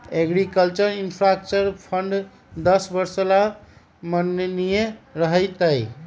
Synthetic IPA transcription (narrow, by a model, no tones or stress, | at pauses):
eɡɾikəlt͡ʃəɾinpʰɾak̚t͡ʃəɾpʰəɳɖ | d̪əsbəɾsəla | mənnijeɾəɦəɪt̪əj